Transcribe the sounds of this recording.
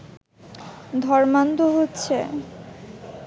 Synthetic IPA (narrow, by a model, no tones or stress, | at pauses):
d̪ʱɔɾmant̪oɦotːɕʰe